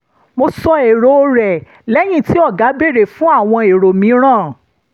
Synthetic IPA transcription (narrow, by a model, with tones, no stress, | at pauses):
mo˧sɔ˧e˨ɾo˧ɾɛ˨ | lɛ˦j̃ĩ˦˨ti˨˦ɔ˦˨ɡa˨˦be˦˨ɾe˦˨fũ˨˦a˦˨w̃ɔ̃˧e˨ɾo˨mĩ˨˦ɾ̃ãː˦˨